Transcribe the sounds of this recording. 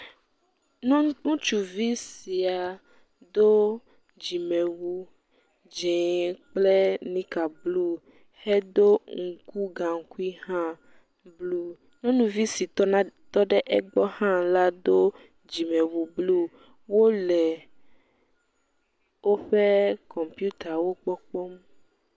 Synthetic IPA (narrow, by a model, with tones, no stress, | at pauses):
n˦nũ˦t͡ʃu˨vi˦si˨a˨ | d̪o˦ | d͡ʒi˨mɛ̃˨wu˦ | d͡ʒe˨k͡ple˦nĩ˦ka˨blu˦ | hɛ˦d̪o˦ŋ̩˨ku˦ɡã˨ŋ̩˨ku˦i˦hã˦ | blu˦ | nɔ̃˦nũ˨vi˦si˨tɔ˦n˦t̪ɔ˦ɖɛ˦ʔɛ˦ɡ͡bɔ˦hã˦la˦d̪o˦ | d͡ʒi˨mɛ̃˨wu˨blu˦ | wo˦lɛ˨ | wo˦ɸe˦kɔ̃˨mpju˦t̪a˨wo˦k͡pɔ˦k͡pɔ˦m